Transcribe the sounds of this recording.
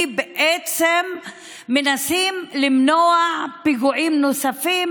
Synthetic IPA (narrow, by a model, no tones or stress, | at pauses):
beʔet͡semː | enasimlimnoaʕpiɡuʕimnosafim